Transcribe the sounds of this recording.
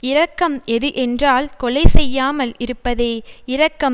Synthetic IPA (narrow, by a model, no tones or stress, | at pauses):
ɪɾɐkːɐmɛðɯʔɛndraːlkɔɭɐɪsɛjːaːmɐlɪɾɯpːɐðeːɪɾɐkːɐm